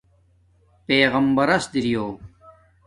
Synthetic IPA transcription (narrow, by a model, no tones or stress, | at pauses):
peːɣɐmbɐɾɐsd̪iɾijoː